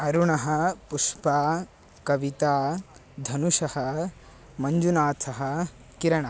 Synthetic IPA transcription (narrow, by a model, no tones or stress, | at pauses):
ɐɾuɳɐɦɐ̆puʃpaː | kɐʋit̪aː | d̪ʱɐnuʂɐhɐ | mɐɲd͡ʒunaːt̪ʰɐɦɐ | kiɾɐɳɐ